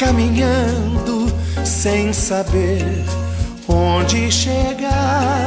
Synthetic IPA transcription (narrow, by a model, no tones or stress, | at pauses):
kamĩɲɐ̃d̪ʊsẽj̃sabeɾɾ | õd͡ʒɪʃeɡa